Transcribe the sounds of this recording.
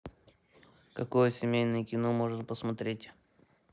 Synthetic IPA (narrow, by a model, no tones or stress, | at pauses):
kɐkojəsʲɪmʲejnɨjəkʲɪnomoʐnəpəsmɐt̪ɾʲetʲ